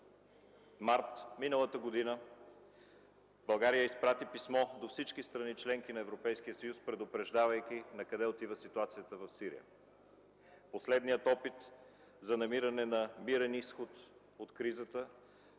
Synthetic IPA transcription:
maɾt̪minəlˠət̪əɡod̪inə | bɐlˠɡaɾijəispɾat̪ipismɔd̪ofsit͡ʃkist̪ɾɐnit͡ʃlɛŋk̟inɐɛvɾopɛjskijəsəjuspɾɛd̪opɾɛʒd̪avəjk̟inɐkɐd̪ɛot̪ivəsit̪uat̪sijət̪əvɐfsiɾḭjə̰ | poslɛd̪nijət̪ɔpit̪ | zɐnɐmiɾɐnɛnɐmiɾɛnisxot̪ | ot̪kɾizət̪ə

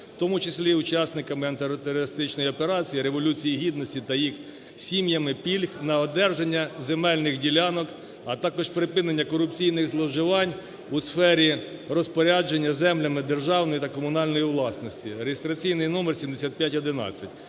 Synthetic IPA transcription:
t̪ɔmʊt͡ʃɪsʲlʲiʊt͡ʃɑsnɪkɐmɪɐnt̪eɾɔt̪eɾɔɾɪst̪ɪt͡ʃnɔjɔpeɾɑt͡sʲijiɾeʋɔlʲut͡sʲijiɦʲid̪nɔsʲtʲit̪ɐjix | sʲimjɐmɪpʲilʲxnɐɔd̪ɛrʒenʲːɐzemɛlʲnɪxdʲilʲɑnɔk | ɐt̪ɑkɔʃpɾɪpɪnenʲːɐkɔɾʊpt͡sʲijnɪɣzlˠɔʒɪʋɑnʲ | ʊsfɛɾʲirɔspɔɾʲad͡ʒenʲːɐzɛmlʲɐmɪd̪erʒɑwnɔjit̪ɐkɔmʊnɑlʲnɔjiʋlˠɑsnɔsʲtʲiɾejest̪ɾɐt͡sʲijnɪjnɔmersʲimd̪esʲat̪̚pʲjatʲɔd̪ɪnɑ̰t͡sʲːɐtʲ

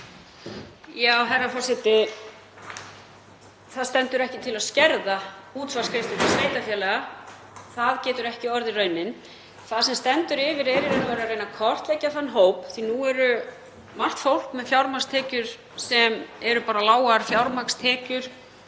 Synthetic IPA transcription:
jaːwɦɛrːafɔːsɪt̪ɪ | θaðst̪ɛnt̪ʏɾɛhcɪt̪ʰɪlaðscɛɾðauːt̪svḁskʰɾɪst̪ʏt̪asveːjt̪afjɛːlɛɣa | θaðcɛːt̪ʏɾɛhcɪɔɾðɪrœɥnɪn | θaðsɛmst̪ɛnt̪ʏɾɪvɪɾɛɾɪɾɛnːavɛɾarejnakʰɔr̥t̪lɛcːaθanːɦoːwpθinuɛɾʏ | mar̥t̪fowl̥kmɛðfjawɾmakst̪ʰɛːcʏɾ̥ | sɛmɛɾʏpaːɾalaːwaɾfjawɾmakst̪ʰɛːcʏɾ̥

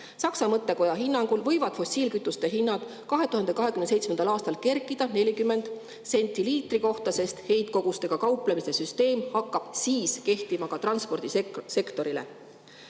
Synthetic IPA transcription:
sɑksɑmɤt̪ːe̞ko̞jɑɦinːɑŋɡ̥ulvɤ̞jvɑd̪̥fo̞sʲiːlkyt̪ːˑust̪e̞ɦinːɑd̪̥ | kɑɦe̞t̪uhɦɑnd̪ekɑɦe̞kymne̞jt̪smend̪ɑlɑːst̪ɑlke̞rkˑid̪̥ɑne̞lʲikymːe̞nd̪̥ | se̞nʲt̪ːˑiliːt̪ˑriko̞ht̪ɑse̞st̪he̞jd̪̚ko̞ɡ̥ust̪e̞ɡ̥ɑkɑwplemise̞syst̪e̞ːmhɑkːɑb̥siːske̞ht̪imɑkɑt̪rɑnspo̞rd̪̥ise̞kt̪o̞ɾilḛ

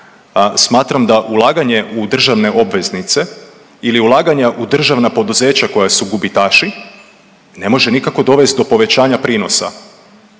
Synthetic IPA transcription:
smaːt̪ɾamd̪aʔulˠaːɡaɲe̞ʔud̪r̩ʒaʋne̞ʔo̞bʋe̞znit̪se̞ | iliulˠaːɡaɲaʔud̪r̩ʒaʋnapo̞d̪uze̞ːt͡ɕako̞jasuɡubit̪aːʃi | ne̞mo̞ʒe̞nikako̞d̪o̞ʋe̞st̪̚d̪o̞po̞ʋe̞t͡ɕaːɲapɾiːno̞sa̰

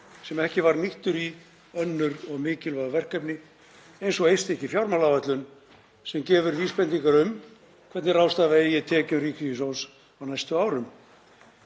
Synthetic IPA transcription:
sɛmɛhcɪvaɾniht̪ʏɾi | œnːʏɾɔɣmɪːcɪlvaðavɛr̥kɛpnɪ | ejnsɔɣejst̪ɛhcɪfjawɾmalavɛt̪lʏn | sɛmcɛːvʏɾviːspɛnt̪iŋkaɾʏm | kʰɛt̪nɪrawst̪aːvaejɛt̪ʰɛːcʏmriːkʰvijʏsow̪s | awnajst̪ʏaːwɾʏm

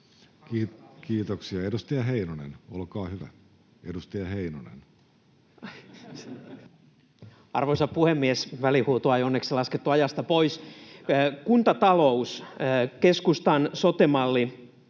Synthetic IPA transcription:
kiːt̪oksiɑedust̪ijɑɦeinonḛnolkɑːhyʋæ̰ | edust̪ijɑheinonḛn | ɑ̰rʋoisɑppuhemːiesʋælihuːt̪uɑjonːeksilɑsket̪ːuɑjɑst̪ɑpois | kunt̪ɑt̪ɑlouskeskust̪ɑnsot̪emɑlːi

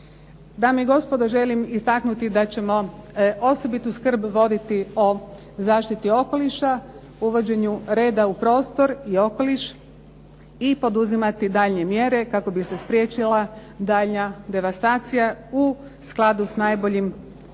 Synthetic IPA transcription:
d̪aːmeiɡo̞spo̞d̪oʒe̞limist̪aknut̪id̪at͡ɕe̞mo̞o̞so̞bit̪uskr̩bʋo̞d̪it̪io̞ | zaːʃt̪it̪io̞ko̞liʃa | uʋo̞d͡ʑe̞ɲuɾe̞ːd̪aupɾo̞ːst̪o̞ɾio̞ko̞liʃ | ipo̞d̪uzimat̪id̪aːʎne̞mje̞ɾe̞kako̞bise̞spɾʲje̞t͡ʃilˠad̪aːʎnad̪e̞ʋast̪aːt̪sijau | sklˠad̪usnajbo̞ʎim

